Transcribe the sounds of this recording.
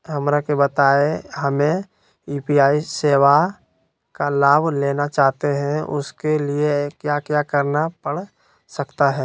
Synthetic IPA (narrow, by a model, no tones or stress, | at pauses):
ɦɐmɾakebət̪aːeɦɐmẽ | iːpiaːiseːwa | kalaːbʱleːnat͡ʃaːɦt̪eɦɛ̃ʊ̰skeliekjaːkjaːkəɾnapəɽ̤ | sɐkt̪aɦɛː